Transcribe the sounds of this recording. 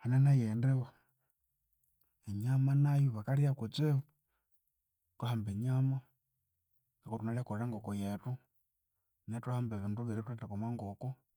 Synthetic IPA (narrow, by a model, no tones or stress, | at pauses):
hanenajendewa | eɲamanajuβakalijakut͡seβu | tahambeɲama | ŋɡakotunalekoɾaŋɡokojetu | netuhambeβiːnduβiɾituetakomwaŋɡoku